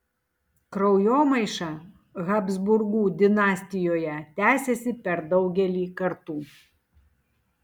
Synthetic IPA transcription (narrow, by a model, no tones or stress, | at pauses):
kɾɔʊjoːmɐɪʃɑ | ɣɐbzbʊɾɡuːd̪ʲɪnɑːsʲt̪ʲɪjoːjɛt̪ʲæːsʲesʲɪpʲɛɾd̪ɒʊɡʲɛlʲiːkɐɾt̪uː